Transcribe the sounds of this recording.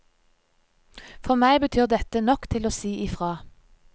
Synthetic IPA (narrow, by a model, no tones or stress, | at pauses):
fɔʁmæɪbət̪ʰyːʁd̪ɛt̪ənɔkt̪ʰɪloːsiːʔɪːfʁɑː